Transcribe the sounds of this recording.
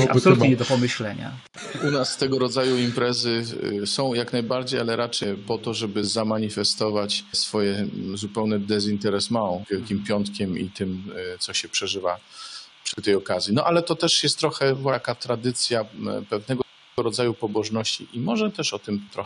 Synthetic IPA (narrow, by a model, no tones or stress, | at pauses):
apsɔlɲɛd̪ɔpɔmɘɕlɛɲa̰ | unast̪ɛɡɔɾɔd̪zajuimpɾɛzɘsɔ̃w̃jaknajbaɾd͡ʑejalɛɾʔat͡ʂɛpɔt̪ɔʐɛbɘzamaɲifɛst̪ɔvat͡ɕsfɔjɛzupɛwnɛd̪ɛzint̪ɛɾɛsmaɔ̃vʲjɛlkʲimpʲjɔnt̪kʲɛmḭt̪ɘmt̪sɔɕɛpʂɛʐɘvapʂɘt̪ɛjɔkazʲjinɔʔalɛt̪ɔt̪ɛʂjɛst̪ːɾɔxɛvwakat̪ɾad̪ɘt̪sʲjapɛvnɛɡɔ | ɔɾɔd̪zajupɔbɔʐnɔɕt͡ɕḭʔimɔʐɛt̪ɛʂɔt̪ɘmt̪ɾɔ